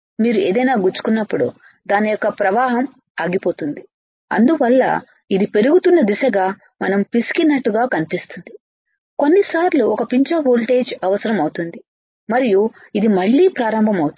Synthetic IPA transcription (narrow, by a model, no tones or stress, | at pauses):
miːɾueːd̪ɐjnaːɡuɾt͡ʃːu̥kunːɐpːuɽṵ | d̪aːnijɔkːɐpɾɐʋaːɦɐm | ɐːɡipo̞ːt̪und̪i | ɐ̰nd̪uʋɐlːɐ̰ | id̪ipe̞ɾuɡut̪unːɐd̪iʃɐɡaː | mɐnɐmpiskinːɐʈːuɡaːkɐnipist̪und̪i | ko̞nːisaːɾluɔkɐpiɲt͡ʃɐboːlʈe̞ːd͡ʒɐʋɐsɐɾɐmɐwt̪und̪i | mɐɾiju | id̪imɐɭːiːpɾaːɾɐmbʱɐmɐwt̪